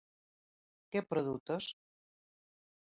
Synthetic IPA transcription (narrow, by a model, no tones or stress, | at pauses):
kɛpɾoðut̪os